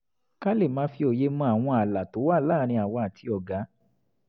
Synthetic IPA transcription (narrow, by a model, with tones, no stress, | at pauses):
ka˦le˦˨mãː˨˦fi˧o˨je˧mɔ̃˧a˨w̃ɔ̃˧a˨la˨to˨˦wa˦˨laː˦˨˦ɾ̃ĩ˧a˨wɔ˧a˨tʰi˧ɔ˨ɡa˨˦